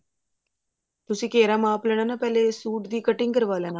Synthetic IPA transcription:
t̪usiːkeɾamaːpləɳ̃anapɛlesuːʈd̪iːkəʈiŋkəɾʋaʋlana

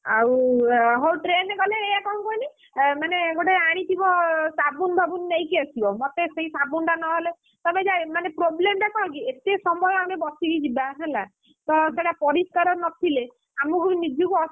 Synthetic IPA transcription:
a̰wɦowʈɾeneɡɔleːjakɔũkɔini | maneeɡoʈeaɽ̃it̪ʰibɔsabunbʱabunːejkiasibɔmot̪eseisabunʈanɔɦele | t̪ɔbed͡ʒamanepɾoblemb̪ekʰɔk̬iet̪esɔmbʱɔjamebɔsiɾid͡ʒibaɦela | t̪ɔseɽapɔɾiskaɾɔɾnɔt̪ʰile | amɔkunid͡ʒukuɔ

